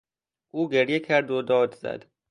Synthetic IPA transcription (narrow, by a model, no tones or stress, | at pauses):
ʔuːɡeɾjecʰæɾd̪od̪ɒːd̪zæ̰d̪̥